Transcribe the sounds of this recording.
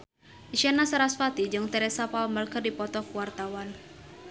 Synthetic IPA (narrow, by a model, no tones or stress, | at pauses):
ʔiʃɛnasaɾasfat̪id͡ʒɨŋt̪ɛɾɛsapaɔmərkərdipɔt̪ɔkuwart̪awan